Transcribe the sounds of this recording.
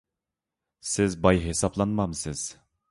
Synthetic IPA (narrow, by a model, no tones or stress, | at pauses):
sɪzbɑjɦesɑplˠɑnmɑmsɪz̥